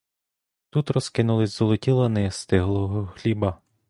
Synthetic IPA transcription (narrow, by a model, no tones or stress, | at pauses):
t̪ut̪ɾɔskɪnʊlˠɪzʲzɔlˠɔtʲilˠɐnɪst̪ɪɦlˠɔɦɔxlʲibɐ